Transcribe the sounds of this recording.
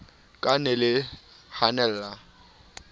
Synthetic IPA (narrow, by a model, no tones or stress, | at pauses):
kʼanɛlɪ | hanɛlːa